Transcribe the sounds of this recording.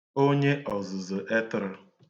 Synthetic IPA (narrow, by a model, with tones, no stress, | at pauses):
o˦ɲe˦ʔɔ˨zʊ˨zʊ˨ʔe˦tʊ˦ɾʊ˦